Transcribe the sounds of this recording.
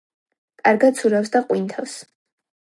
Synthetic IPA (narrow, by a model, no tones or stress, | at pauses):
kʼaɾɡat̪sʰuɾafsd̪aqʼwint̪ʰafs